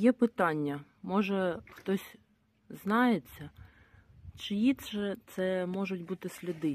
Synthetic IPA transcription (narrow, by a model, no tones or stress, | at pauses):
jɛpɪt̪ɑnʲːɐmɔʒɛxt̪ɔsʲ | znɑjet͡sʲːɐ | t͡ʃɪjit̪ɛt̪sɛmɔʒʊt̚ʲbut̪ɪsʲlʲɐd̪ɪ